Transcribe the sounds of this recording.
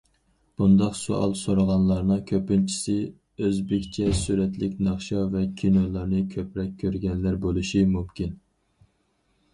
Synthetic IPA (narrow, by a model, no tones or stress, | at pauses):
b̥und̪ɑqso̰ʔɑ̰lˠsoɾəʁɑnlˠɑɾnɨŋkʲʰøpynt͡ʃʰi̥sɪ | øzbɪkʲt͡ʃʰɛsyɾɛt̪lɪkʲnɑχʃɑvɛkʲʰinolˠɑɾnɨkʲʰøpɾɛkʲʰːøɾɡʲɛnlæɾbolˠuʃimumkʲin